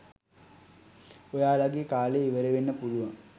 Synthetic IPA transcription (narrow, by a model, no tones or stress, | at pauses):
ojaːlaɡikaːleiʋɐɾeʋinːəpuluʋɐŋ